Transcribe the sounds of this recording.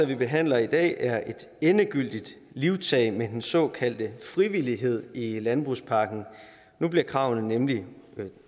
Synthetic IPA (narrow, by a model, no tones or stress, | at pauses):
æʋib̥e̝ɦæn̰lɐid̥ɛ̰ːʔæɐʔe̝d̥ | enəɡ̥yl̰d̥id̥ | liʊt͡sʰɛɪmed̥ensɒ̽kʰæl̰d̥əfʁiʋiliɦe̝ð̞̰ˠilænb̥ʁuspʰɑ̈ːɡ̥n̩ | nub̥liɐkʰʁɑ̈ʊ̰nənemli